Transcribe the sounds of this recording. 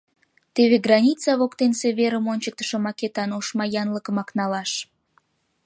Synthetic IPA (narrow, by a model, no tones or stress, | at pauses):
t̪eβeɡrɑnʲit͡sɑβokt̪enseβeɾəmonʲt͡ɕək̚t̪ə̥ʃəmɑket̪ɑnoʃmɑjɑnləkəmɑknɑlɑʃ